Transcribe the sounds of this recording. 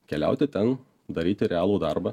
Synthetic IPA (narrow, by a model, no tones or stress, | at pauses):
kʲɛlʲæ̰ˑʊt̪ʲɪt̪ʲɛn | d̪ɐɾʲiːt̪ʲɪɾʲɛaːlˠuːd̪ɑɾbɐ